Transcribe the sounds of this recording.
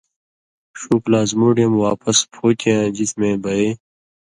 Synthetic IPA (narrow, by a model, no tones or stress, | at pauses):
ɕuːklaːzmuːɖijɐmwaːpɐspʰoːk̪ijãːd͡ʑit̪mẽːbɐeː